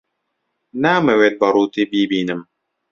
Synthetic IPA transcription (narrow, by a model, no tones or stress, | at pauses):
naːmewet̪̚baɾuːt̪ibiːbiːnɨm